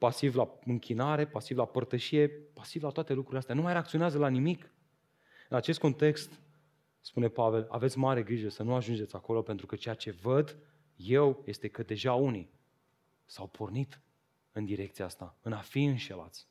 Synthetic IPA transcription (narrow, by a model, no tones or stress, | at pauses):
pasivlaɨŋkʲʰinaɾe̞pasivlapərt̪əʃije̞pasivlat̪oat̪elukɾuileast̪eanumajɾeakt̪sio̞neazəlanimik | ɨnat͡ʃest̪̚ko̞nt̪e̞kst̪ | spune̞pave̞la̰ve̞t̪sʲmaɾe̞ɡɾiʒəsənuaʒund͡ʒeako̞lo̞pe̞nt̪ɾukət͡ʃejat͡ʃe̞vəd̪ | je̞wje̞st̪e̞kəd̪e̞ʒauni | sawpʰornit̪ | ɨnd̪iɾe̞kt̪sijaast̪aɨnafiɨnʃe̞la̰t̪sʲ